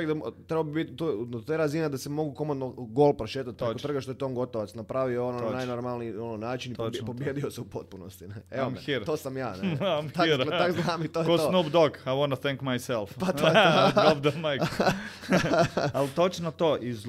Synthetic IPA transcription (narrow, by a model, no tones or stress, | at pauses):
eɡd̪at̪ɾebaobibit̪t̪ont̪oɾazined̪asemo̞ɡukomod̪noɡolˠpɾoʃeːt̪at̪̚pɾekot̪r̩ɡaʃt̪oet̪ooːnŋɡo̞t̪oʋat̪snapɾaʋioononajnoɾmalniiononaːt͡ʃinipobbjeːd̪ioseupot̪̚punost̪ineeomiɾt̪oːsamjaːneamt̪at̪akznaːmit̪ojeosnobd̪okajwɔnuθɛŋkmajsɛlˠfpat̪ooobd̪majk | alt̪ot͡ʃnot̪oːʔi